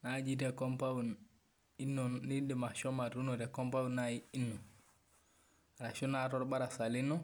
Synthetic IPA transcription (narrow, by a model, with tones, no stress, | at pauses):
na˨d͡ʒi˦t̬e˨ko˦mpa˦u˨n | i˦nːu˨ni˦di˨ma˨ʃo˦ma˨tu˦nu˨te˨ko˦mpa˦wunaii˦nːu˨ | ɾa˨ʃu˦na˦tɔ˦ɾba˦ɾa˨sa˨li˦nːu˦